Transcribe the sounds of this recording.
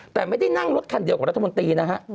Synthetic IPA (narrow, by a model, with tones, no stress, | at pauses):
t̪ɛː˨˩ma˥˩jda˥˩jna˥˩ŋɾo˦˥t̪̚kʰa˧ndi˧kaː˨˩ɾt̪ʰːa˧m˧nt̪iː˧na˦˥kʰa˦˥ʔ